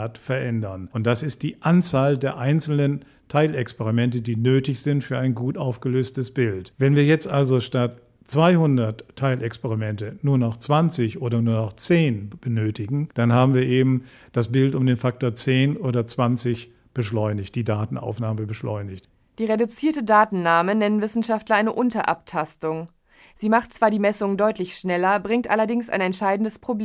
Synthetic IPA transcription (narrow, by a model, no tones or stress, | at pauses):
tfɛɐʔɛndɐnʔʊnt̚d̥asɪst̚d̥iːʔant͡saːldeːɐʔaɪnt͡sl̩nən | tʰaɪlɛkspɛʁimɛntədiːnøːtɪçz̥ɪntfyːɐaɪnɡuːtʔaʊfɡ̥əløːstəsb̥ɪltvɛnviːɐjɛt͡stʔalzoʃtat | t͡sv̥aɪhʊndɐtʰːaɪlʔɛkspɛʁimɛntənuːɐnɔχt͡sv̥ant͡sɪçʔoːdɐnuːɐnɔχt͡seːnb̥ənøːtɪɡŋ̩d̥anɦaːbm̩viːɐʔeːbm̩ | d̥asb̥ɪltʊmdeːnfak̚toːɐt͡seːnoːɾɐt͡sv̥ant͡sɪç | b̥əʃlɔʏnɪçt̚d̥iːdaːtn̩a̰ʊfnaːməbəʃlɔ̰ʏnɪçt | d̥iːʁedut͡siːɐtədaːtn̩naːmənɛnənvɪsn̩ʃaftlɐʔaɪnəʔʊntɐʔaptʰastʊŋ | z̥iːmaχtt͡sv̥aːɐdiːmɛsʊŋdɔʏtlɪçʃnɛlɐbʁɪŋtʔa̰lɐdɪŋsʔa̰ɪnɛnʃaɪdn̩dəspʁ̥obleː